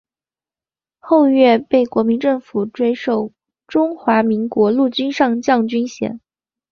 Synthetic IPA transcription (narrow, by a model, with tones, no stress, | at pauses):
xo˥˧ʊɥɛ˥˧pe˥˩ɪkwɔ˧˥mi˧˥nʈ͡ʂɤ˥˩ŋfu˨˩ʈ͡ʂwe˥ɪʂo˥˩ʊ | ʈ͡ʂʊ˥ŋxwa˧˥mi˧˥ŋkwɔ˧˥lu˥˩t͡ɕy˥nʂɑ˥˧ŋt͡ɕjɑ˥˩ŋt͡ɕy˥nɕjɛ̰˨˩˦n